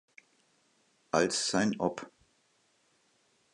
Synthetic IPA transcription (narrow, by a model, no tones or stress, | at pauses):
ʔalssaɪnʔɔp